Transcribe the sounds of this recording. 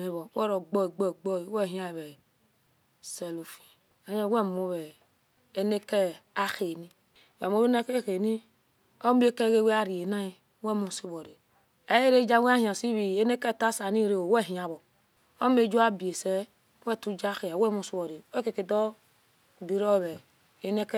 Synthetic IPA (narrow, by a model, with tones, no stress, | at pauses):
me˨βɔ˨˦wɛ˦ɾo˨ɡ͡bɔ˦˨ɡ͡bɔ˦˨ɡ͡bɔ˦i˨wɛ˦˨ɦĩ˦a˦˨βɛ˨ | sɛ˨lo˨fi̥˨ | a˨˦ɛ˦wɛ˦mo˦βɛ˨ | e˦ne˦kɛ˦a˦xe˨ni˦˨ | wɛ˨m˨o˦βe˦na˦ke˦xe˨ni˦ | o˦m˦e˦ke˦ɡe˦we˦a˦ɾi˨e˨na˦i˨˦ | wɛ˦˨mu˦˨si˦βo˨ɾe˨ | ɛ˦je˦ɾe˦d͡ʒa˦wʷe˦a˦hĩ˨a˨si˦βi˨e˦ne˦kɛ˦˨ta˦sa˨ni˦ɾe˦o˨wɛ˦˨ɦĩ˨a˨βɔ˨ | o˦me˦d͡ʒu˦a˦be˨sɛ˦ | wɛ˦˨tu˦d͡ʒa˦xe˨a˨˦wɛ˦mu˦si˦βɔ˨ɾe˨˦ke˨ke˨dɔ˦˨ | di˨ɾɔ˦˨βɛ˨ | e˦ne˦k